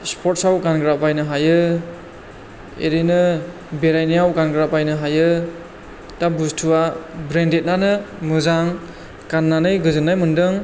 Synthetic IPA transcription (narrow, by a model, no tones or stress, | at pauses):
spʰɔtsawkanɡɾapajnɯɦajɯ | ḛɾinɯ | beɾajnijawkanɡɾapajnɯɦajɯ | tabustʰuabɾendet̚nanɯmɯzaŋ | kanːanɯjɡɯzɯnːajmɯndɯŋ